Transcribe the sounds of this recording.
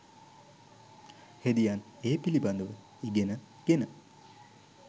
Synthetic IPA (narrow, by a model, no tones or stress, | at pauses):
hed̪ijaːneːpiliband̪əʋə | iɡenə | ɡ̥enə